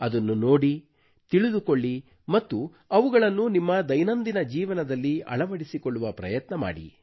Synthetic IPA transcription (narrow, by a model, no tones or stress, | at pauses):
ɐd̪ɐnːuno̞ːɽi | t̪iɭud̪ukoɭːi | mɐt̪ːu | ɐʋuɡɐɭɐnːunimːɐd̪ɐjnɐnd̪inɐd͡ʒiːʋɐnɐd̪ɐlːiɐ̰ɭɐʋɐɽisikoɭːuʋɐpɾɐ̰jɐt̪nɐma̰ːɽḭ